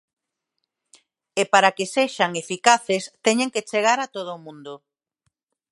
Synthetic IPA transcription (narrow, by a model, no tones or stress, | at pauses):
epaɾakeseʃaŋefikaθest̪ɛɲẽŋket͡ʃeɣ̞aɾat̪oð̞ʊːmũnd̪o